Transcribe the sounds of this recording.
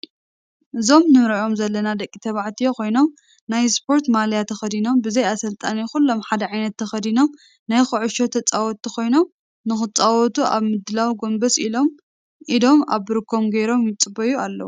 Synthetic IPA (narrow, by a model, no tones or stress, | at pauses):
ʔɨzo̞mnɨmɾɐʔo̞mzɐlːɐnad̪ɐkʼːit̪ʰɐβaʕt̪ʰijoko̞jno̞m | najspʰo̞ɾt̪maljat̪ʰɐxɐd̪ino̞mbɨzɐjasɐlt̪ʼanixulːo̞mħad̪ɐʕajnɐt̪ːʰɐxɐd̪ino̞m | najxɨʕʊʃot̪ʰɐt͡sʼawɔt̪ːikʰo̞jno̞m | nɨxɨt͡sʼawɔt̪uʔa̰βmɨd̪ɨlawiɡo̞mbɐsilo̞m | ʔid̪o̞ma̰βbɨɾkʰːo̞mɡɐjɾo̞mjɪt͡sʼɨbɐjualːɐ̰wu